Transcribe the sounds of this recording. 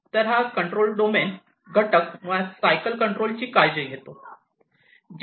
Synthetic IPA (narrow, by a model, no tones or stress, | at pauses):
t̪əɾɦakəɳʈɾolɖomen | ɡʱəʈəkmasajkəlkəɳʈɾolt͡ɕiːkajd͡ʑəiɡʱet̪o | d͡ʑ